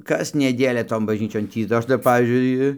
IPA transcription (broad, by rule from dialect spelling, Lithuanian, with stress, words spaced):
kɐs nʲɛˈdʲeːlʲɛ ˈtoːn bɐʒʲˈnʲiːt͡ʃʲoːn ˈtʲiː dɐ ˈɐʃ tɐɪ ˈpɑːʋʲiːzʲd͡ʒʲʊɪ